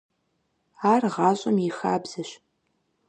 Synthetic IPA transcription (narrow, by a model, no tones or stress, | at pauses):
aːrʁɑːɕʼɐmjɪxa̰ːbz̥ɐɕ